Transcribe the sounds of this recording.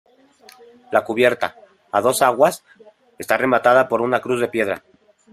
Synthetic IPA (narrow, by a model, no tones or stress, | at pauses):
lakuβ̞je̞ɾt̪a | aðo̞saɣwas | e̞st̪are̞mat̪að̞apo̞ɾunakɾuzðe̞pje̞ðɾa̰